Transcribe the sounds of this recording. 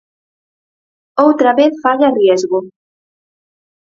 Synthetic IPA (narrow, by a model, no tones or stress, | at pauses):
owt̪ɾaβeθfaʎarjezɣo